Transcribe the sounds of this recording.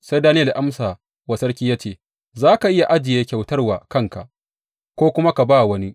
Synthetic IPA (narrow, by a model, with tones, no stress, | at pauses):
sa˦jdaː˦nɪ˦jɐ˨lʔa˦msa˨ | wɐ˨sɐ˦rkʲiː˦jaː˦t͡ʃeː˨ | zaː˦ka˨ʔɪ˦ja˨ʔa˦d͡ʒɪ˨jeː˦kʲa˨wtɐ˦rwaː˨kɐ˦ŋka̰˨ʔ | kʷoː˦kʷʊ˦ma˦ka˨baː˦˨wɐ˦ni˦